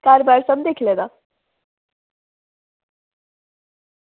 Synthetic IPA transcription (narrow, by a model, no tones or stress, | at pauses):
kaɾbaɾsəmd̪ekʰiled̪a